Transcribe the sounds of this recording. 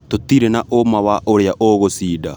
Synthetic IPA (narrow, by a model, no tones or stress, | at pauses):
totiɾenaʔomawaʔoɾeaʔoɣosiːda